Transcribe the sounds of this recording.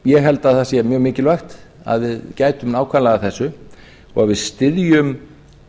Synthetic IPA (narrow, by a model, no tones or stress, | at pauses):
jɛɦɛlt̪aðθasjɛmjœːɣmɪːcɪlvaxt̪ | a̰ðvɪðcaːjt̪ʏmnaːwkʰvanlaɣaθɛsːʏ | ɔ̰ɣavɪðst̪ɪðjʏm